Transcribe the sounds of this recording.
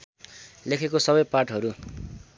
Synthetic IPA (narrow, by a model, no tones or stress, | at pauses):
lekʰekosʌbʌjpaʈɦʌɾu